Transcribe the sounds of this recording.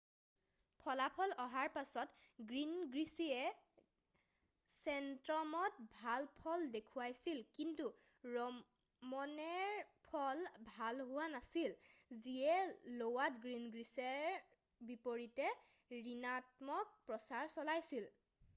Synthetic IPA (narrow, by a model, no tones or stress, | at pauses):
pʰɔlapʰɔlɔɦaɹpasɔtɡɹinɡɹisiɛ | sɛntɹɔmɔt̚bʱalpʰɔldekʰuwajsilkintu | ɹɔ | mɔnɛɹpʰɔlbʱalɦʊwanasilziɛlowatɡɹinɡɹisɛɹ | bipoɹitɛ | ɹinat̚mɔk̚pɹɔsaɹsɔlajsil